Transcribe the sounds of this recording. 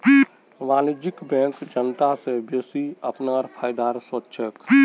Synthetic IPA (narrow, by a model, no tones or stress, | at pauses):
ʋaːnid͡ʒɪkbɛ̃ːkd͡ʒənt̪asebeːsiəpnaːɾpʰaːjd̪aːɾswətːʃʰək